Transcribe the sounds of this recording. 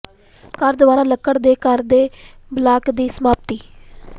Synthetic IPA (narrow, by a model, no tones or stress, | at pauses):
kəɾd̪ʊʋaːɾãːləkːəɽd̪eːkəɾd̪eːblaːkd̪iːsəmaːp̚t̪iː